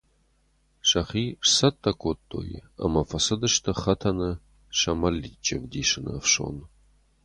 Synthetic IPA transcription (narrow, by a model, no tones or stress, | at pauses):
ʂɐχiːʂsɐt̪ʰʼːɐkʷʰʼotʰʼːo̰ːj̰ɐ̰mɐfɐsɐdɐʂtʰɐχɐtʰɐnɨ | ʂɐmɐlːiːt͡ʃʼɪvdiːʂɨnɐ̰fʂo̰ːn